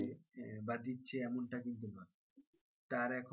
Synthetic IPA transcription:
ebat̪itːɕʰeɛmoɳʈakint̪̬unɔe | t̪aɾɛkʰ

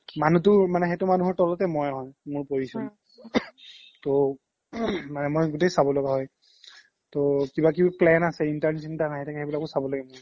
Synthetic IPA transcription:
manutʊmanɛxetʊmanuɦɔɹtɔlɔtɛmɔjɦɔjmʊɹpojisu | to | manɛmojɡut̬ejsabɔlɔɡaɦɔj | tokibakibaplɛnasɛintaɹnsintanaɦɛjtʰakɛebilakʊsabɔlaɡɛmʊɹ

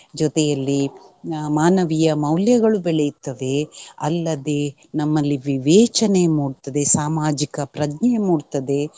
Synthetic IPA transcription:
d͡ʒɔt̪ɛjɐlːi | maːnɐʋijɐmɐwljɐɡɐɭubɛɭejut̪ːɐʋe̞ɐ̰lːɐd̪e̞ | nɐmːɐlːiʋiʋɛːt͡ʃɐnemuːɽt̪ɐd̪e̞saːmaːd͡ʒikɐpɾɐdnɐjmuːɽt̪ɐd̪e̞

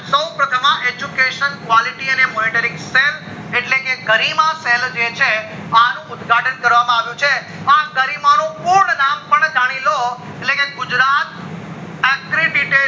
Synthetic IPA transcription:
səwpɾət̪ʰəmãʔed͡ʒukeʃənkʋaliʈiənemɔniʈəɾiŋɡsel | eʈlekeɡəɾimaseld͡ʒet͡ʃʰeanũʊd̪ɡʱaʈənkəɾʋamãaʋjũt͡ʃʰe | aɡəɾimanõpuɾɳənampəɳd͡ʒʱaɽ̃ilo | eʈlekeɡʊd͡ʒɾat̪̚ | ɛkɾiɖiʈe

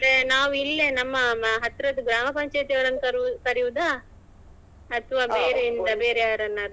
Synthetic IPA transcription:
ɐɾenaːʋuilːenɐmːɐɦɐt̪ːɾɐd̪uɡɾaːmɐpɐɲt͡ʃɐjt̪ijɐːɾɐnːkɐɾkɐɾiʋud̪a | ɐt̪ʰɐʋaːbeːɾeind̪ɐbeːɾejaːɾɐnːɐd̪

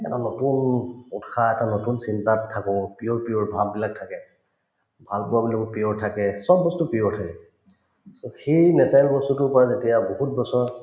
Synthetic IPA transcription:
ɛ̰tanotunutxʰaɛtanotunsintatʰːakɔpiɔɹpijɔɹbʱabbilak̚tʰakɛ | bʱalpʊabilɔkɔpiɔɹtʰakɛsɔbɔstʊpijɔɹtʰakɛ | soxijnɛsajlbɔstutʊpɔɹazetijabɔɦut̚bɔsɔɹ

